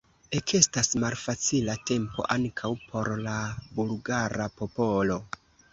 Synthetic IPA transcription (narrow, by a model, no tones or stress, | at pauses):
e̞kʰe̞stasmalfat͡silate̞mpo̞̰ʔaŋkʰawpʰo̞ɾlabulɡaɾapo̞po̞lo̞